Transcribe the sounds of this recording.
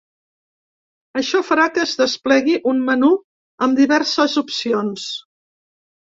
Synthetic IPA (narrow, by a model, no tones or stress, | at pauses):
əʃɔfəɾakəzðəsplɛɣiʔummənu | əmd̪iβɛɾsəzupsions